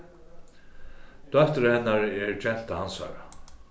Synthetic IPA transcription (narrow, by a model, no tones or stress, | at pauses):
d̪̥œht̪əɾhɛnːaɾɛɹd͡ʒɛn̥t̪ahansa̰ːɾa